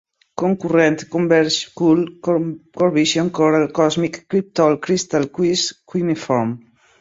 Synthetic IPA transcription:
koŋkurɛnt̪kombɛɾskul | koɾβiʃjoŋkoɾalkɔzmikːɾip̚t̪ɔlkɾist̪alkwiskinifɔɾm

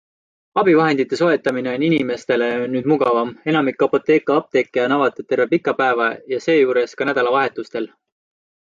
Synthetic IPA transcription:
ɑb̥ivɑɦe̞nd̪̥it̪ːˑe̞so̞e̞t̪ːˑɑmine̞o̞ninime̞st̪e̞le̞nnyːd̪muɡɑvɑme̞nɑmikˑːɑpo̞t̪ːˑe̞ːkːˑɑɑb̥̚t̪e̞kːˑeɑnɑvɑt̪ːˑet̪ːe̞rvepikˑːɑpæevɑjɑse̞ːjuːɾe̞skɑnæd̪̥ɑlɑvɑɦe̞t̪ːˑust̪e̞l

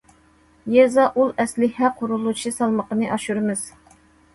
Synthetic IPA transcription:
jɛzɑʔulˠɛslɪhæqʰːʊɾulˠut͡ʃʰisɑlˠməqənɨʔɑʃuɾɨmɨz̥

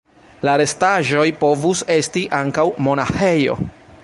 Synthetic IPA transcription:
laɾe̞staʒo̞jpo̞vuse̞stiʔaŋkawmo̞naxe̞jo̰

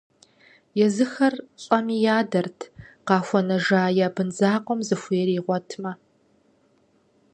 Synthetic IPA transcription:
jɛzɨxɐrɕʼɐmiːjaːdɐrtʰqɑːxʷɔnɐʒaːjabɨnzaːqʷɔmzɨxʷeːɾiːʁʷɔtʰmɐ

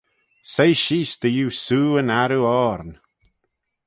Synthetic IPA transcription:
sejʃiːsd̪̥əjuːsuːənaɾuɔːɾn

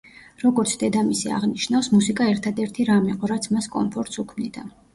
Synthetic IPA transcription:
ɾɔɡɔɾt̪sʰd̪ɛd̪amisia̰ʁniʃnafsmusikʼaɛɾt̪ʰad̪ɛɾt̪ʰiɾamiqʼɔɾat̪sʰmaskʼɔ̰mpʰɔɾt̪ʼsukʰmnid̪a

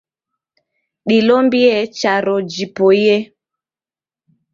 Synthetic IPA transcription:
ɗilɔmbiɛt͡ʃaɾɔd͡ʒipɔjɛ

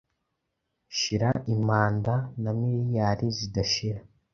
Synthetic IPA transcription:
ʃiɾaʔimaːndanamiɾijaɾizidaʃiɾa

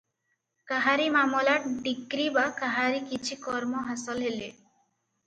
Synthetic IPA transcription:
kaɦaɾimamɔlaɖikɾibakaɦaɾikit͡ʃʰikɔɾmoɦasɔlɦele

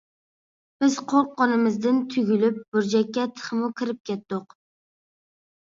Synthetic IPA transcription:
b̥ɪz̥qʰoɾqːɒnɪmɪzd̪ɪnt̪ʰʊɡʲylɪp̚bʊɾd͡ʒakʲːɛt̪ʰɨ̥χmʊkʲʰɪɾɪp̚kʲɛt̪̚d̪ʊq

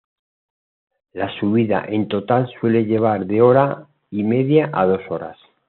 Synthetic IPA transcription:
lasuβiða̰ʔe̞nt̪o̞t̪alswe̞le̞ʎe̞β̞aɾðe̞o̞ɾa | ime̞ðjaʔað̞o̞so̞ɾa̰s

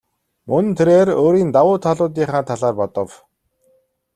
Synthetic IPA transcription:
mɵn̆nt̪ʰeɾeːroːɾiːnt̪awʊːt̪ʰaɮʊːt̪̬iːχaːt̪ʰaɮaːrpɔt̪ɞ̆w

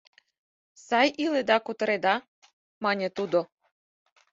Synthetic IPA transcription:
sɑjʔiled̪ɑkut̪ɤ̆ɾed̪ɑ | mɑnʲet̪ud̪o

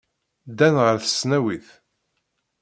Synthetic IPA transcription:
d̪ænʁəɾθə̥snæwiθ

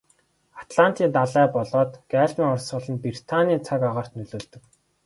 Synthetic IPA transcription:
at̪ɮan̥t̪iːnt̪aɮæːpɔɮɔːt̪ɡ̥æːɮmiːŋɔrsɢʊːɮə̆npir̥t̪ʰaniːt͡sʰakaʁaːr̥t̪nɵɮoːɮt̪ɵ̆k

